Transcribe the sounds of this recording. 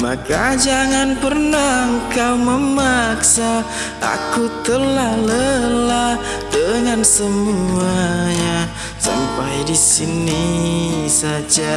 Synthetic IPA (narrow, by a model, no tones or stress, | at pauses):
ma̰kad͡ʒaŋanpərnaəŋkawməmaksa | a̰kut̪əlahləla | dəŋansəmuaɲa | sa̰mpajdisini | sad͡ʒa